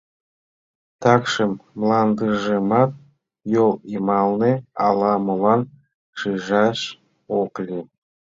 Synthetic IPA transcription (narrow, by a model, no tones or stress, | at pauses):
t̪ɑkʃɨmːlˠɑnd̪ɯʒɯmɑt̪̚ | jolˠimɑlˠneɑlˠɑmolˠɑn | ʃiʒɑʃ | oqlʲi